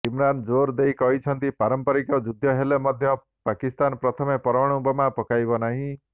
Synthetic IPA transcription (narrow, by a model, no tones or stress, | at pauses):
imɾand͡ʒoɾd̪ejkɔɦit͡ʃʰɔnt̪ipaɾɔmpɔɾikɔd͡ʒud̪ʱjɔɦelemɔd̪ʱjɔ | pakist̪anpɾɔt̪ʰɔmepɔɾɔɔɽ̃ubɔmapɔkajbɔnaɦĩ